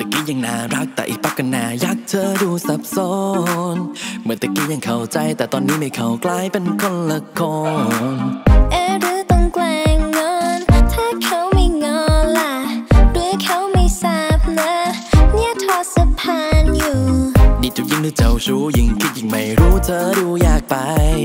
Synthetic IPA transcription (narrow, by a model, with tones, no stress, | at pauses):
t̪a˨˩ki˧˥ja˧˩ŋnaː˧˩ɾa˦˥k̚t̪ɛ̰ː˨ʔḭ˨˩pa˧˥kːa˧nːaː˧ja˧˩k̚t̪ʰəː˧duː˧sa˧˦p̚sɔː˧˦˥nmɯ˨˦nt̪a˧˩ki˧˥ja˨˩ŋkʰa˧wt͡ɕa˧jt̪ɛː˨˩t̪ɔː˧nːiː˦˥ma˧˩jkʰa˦˥wklaː˧˥˩jpe˧nkʰo˧˨nla˧˦kʰːɔ˧nnʔaː˧˩ɾɯː˨˦t̪ɔ˧ŋklaː˧ŋːɔː˧nt̪ʰaː˧˩kʰa˧˥wma˥˧˩jŋɔː˧˥˦nla˧˩ɾɯː˨˧˥kʰa˧˥wma˧˩jsa˧˩p̚na˦˥ni˧˥ət̪ʰɔː˧˩sa˧pʰaː˧njuː˨˩diː˧˩t͡ɕu˨˩ji˧˥ŋt̪ʰɯː˧˥t͡ɕa˧˩wt͡ɕuː˧ji˨˥ŋkʰi˧˥t̪̚ja˨˩ŋma˧˩jɾuː˦˥t̪ʰɤː˧duː˧jaː˨˩k̚pa˧j